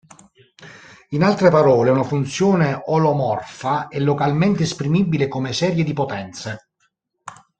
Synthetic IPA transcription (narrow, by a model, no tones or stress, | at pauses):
inalt̪ɾepaɾɔːleunafunt̪sjɔːneʔɔlɔmɔrfaɛlːokalment̪eːspɾimibːilekomesɛːɾjed̪ipot̪ɛnt̪se